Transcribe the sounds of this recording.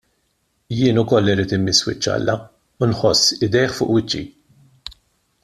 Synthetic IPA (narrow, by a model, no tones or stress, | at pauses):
jɪːnʊkɔlːɪɾiːt̪ɪmːɪswɪ̰t͡ʃːɐ̰lːɐ | ʊnħɔsːɪd̪ɛjħfʊ̰ːʔwɪt͡ʃːḭ